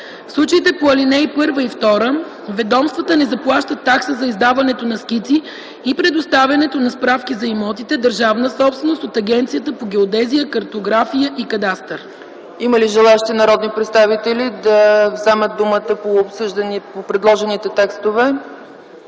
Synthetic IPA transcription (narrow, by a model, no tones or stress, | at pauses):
fslˠut͡ʃəit̪ɛpoɐlinɛjpɤɾvəift̪ɔɾə | vɛd̪ɔmst̪vət̪ənɛzɐplˠaʃt̪ət̪ːaksəzɐizd̪avɐnɛt̪onɐsk̟it̪siː | pɾɛd̪ost̪avʲɐnɛt̪onɐspɾafkʲizɐimɔt̪it̪ɛd̪əɾʒavnəsɔpst̪vɛnost̪ot̪ɐɡɛnt̪sijət̪əpoɡ̟ɛod̪ɛzijəkɐɾt̪oɡɾafijəʔikɐd̪ast̪əɾ | iməliʒɛlˠaɛʃi̥t̪inɐɾɔd̪nipɾɛt̪st̪avit̪ɛlid̪ɐvzɛmət̪̚d̪umət̪əpoːpsəʒnpopɾɛd̪lˠɔʒɛnit̪ɛt̪ɛkst̪ovɛ